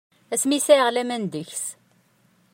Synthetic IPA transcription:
æsmisæʁlæmænd̪əçs

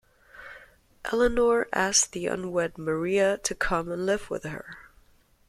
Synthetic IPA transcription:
ʔɛlˠənɔɹʔæsðiʌ̰̃nwɛd̚mə˞iɨɾʰɨkʰʌ̃mə̃nlɪvwɪ̰ð̥ə̰˞

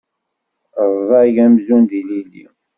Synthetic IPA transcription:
zˤɑʝæmzund̪ililːḭ

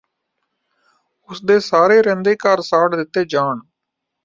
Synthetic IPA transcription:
ʊsd̪eːsaːɾeːɾɛ̃ːnd̪eːkəɾsaːɖd̪ɪt̪ːeːd͡ʒaːɳ

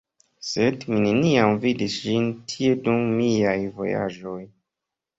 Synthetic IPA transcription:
sedmineniamvidisʒintʰie̞dumːiajvo̞̰ja̰d͡ʒo̞j

